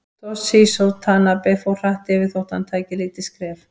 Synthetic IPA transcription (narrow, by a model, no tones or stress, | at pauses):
t̪ɔsisɔwt̪ʰaːnapɛfowr̥aht̪ɛvɪθowht̪ant̪ʰaːjcɪliːt̪ɪskɾɛːf